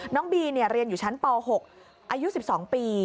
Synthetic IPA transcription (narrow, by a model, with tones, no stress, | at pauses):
nɔː˦˥ŋbiː˧ni˥˩əɾi˧ənjuː˨˩t͡ɕʰa˦˥npɔː˧ɦo˨˩k̚ | ʔaː˧ju˦˥si˨˩p̚sɔː˩˦ŋpiː˧